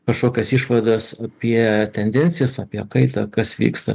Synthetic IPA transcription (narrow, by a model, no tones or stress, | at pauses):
kɐʃkoːkʲosiːʃʋɐd̪ɐsɐpʲiɛt̪ʲɛnʲd̪ʲɛnʲtsʲɪjɛsɐpʲiɛkɐɪt̪ɐkɐsʋʲḭːkst̪ɐ̰